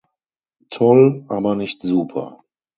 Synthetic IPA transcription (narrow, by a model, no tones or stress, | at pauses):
tʰɔlʔaːbɐnɪçtz̥uːpʰɐ̰